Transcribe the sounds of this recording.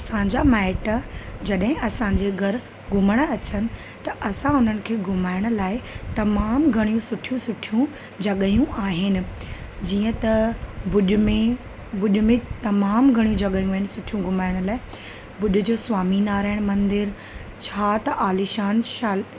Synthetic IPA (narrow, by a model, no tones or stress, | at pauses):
ɐsãːɲd͡ʑamɛːʈəd͡ʑɐɗɦɪ̃ʔɐsãːɲd͡ʑeɡʱɐɾ | ɡʱʊməɽ̃ɐt͡ɕənɪ̆ | t̪ɐʔɐsãʊn̤ənɪ̆kʰeːɡʱʊmaːɪɽ̃ʊ̆laːɪt̪ɐmaːmɡʱɐɽijũsʊʈʰijũsʊʈʰijũ | d͡ʑɐɠəjũʔaːɦɪnɪ̆ | d͡ʑiːə̃t̪ɐbʊɗmẽ | bʊɗʊ̆mẽt̪ɐmaːmɡʱɐɽ̃ijũd͡ʑɐɠəjũɦɪnɪsʊʈʰijũɡʱʊmaːɪɽ̃ʊlaːɪ | bʊɗʊ̆d͡ʑoːsʋaːminaːɾaːɪɽ̃mɐ̃nd̪ɪɾ | t͡ɕʰaːt̪ɐʔaːlɪʃaːnʃaːl